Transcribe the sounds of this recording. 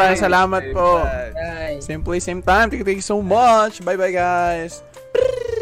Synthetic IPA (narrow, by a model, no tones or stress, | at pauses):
aɾɐŋsɐlaːmɐt̪̚poʔ | sĩmplisẽɪ̃mt̪ãj̃mt̪ukt̪ẽkjusomʌt͡ʃbajbajɡajs